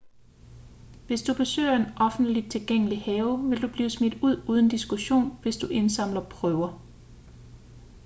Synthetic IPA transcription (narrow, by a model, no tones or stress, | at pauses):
ʋe̝sd̥ub̥e̝sø̰ːɐe̝nʔɒ̽fn̩d̥lid̥̚t͡sʰe̝lɡ̥eŋ̰əlihɛːʊʋe̝ld̥ub̥liːsmid̥uð̰ˠuːð̞ˠn̩d̥isɡ̥uɕo̝̰ːnʋe̝sd̥uʔe̝nsɑ̈m̰lɐpʰʁœʊɐ